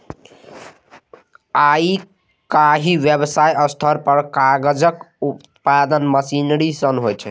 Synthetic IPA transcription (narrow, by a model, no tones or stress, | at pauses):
ai | kaɦiʋjebsajʌst̪ʰʌɾpəɾkaɡəd͡ʒək | utt̪pad̪ənməsinɾisənɦojt͡ʃʰɛ